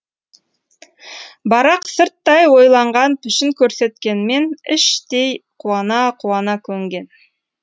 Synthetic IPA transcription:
bɑɾɑqsəɾt̪ːɑjwo̞jlˠɑɴʁɑnpʰʏʃɪŋkʲʰɵɾse̞t̪kʲe̞nme̞nɪʃt̪e̞jqʰuɑnɑqʰuɑnɑkʲʰɵŋɡʲe̞n

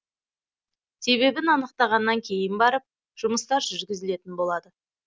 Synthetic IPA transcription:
se̞βe̞bɪnɑnəq̚t̪ɑʁɑnːɑŋkʲʰe̞jɪnbɑɾəp̚ | ʒ̥ʊməst̪ɑɾʒʏɾɡʲɪzɪle̞t̪ɪnbo̞lˠɑd̪ə

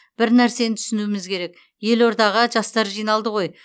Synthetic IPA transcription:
b̥ɪɾnæɾse̞nɪt̪ʰʏ̥sɪnuɪmɪzkʲʰe̞ɾe̞k | je̞lo̞ɾd̪ɑʁəʒɑst̪ɑɾʒijnɑlˠd̪əʁo̞j

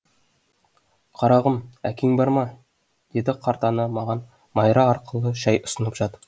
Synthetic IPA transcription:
qʰɑɾɑʁəmæ̰kʲeŋbɑɾmɑ | d̪̥e̞d̪ɪqʰɑɾt̪ɑnəmɑʁɑn | mɑjɾɑɑɾqʰəlˠəʃɑjʊ̥sə̆nəpʒɑt̪ə̥

